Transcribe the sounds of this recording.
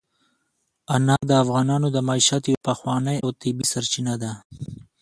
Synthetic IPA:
anɑd̪əafɣɑnɑnod̪əmɑiʃat̪jawpaxwɑnəjawt̪ɪbisaɾt͡ʃinad̪a

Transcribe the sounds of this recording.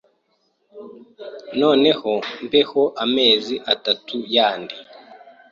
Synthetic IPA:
no̞ːne̞hompehoʔameːziʔatatʰujaːndi

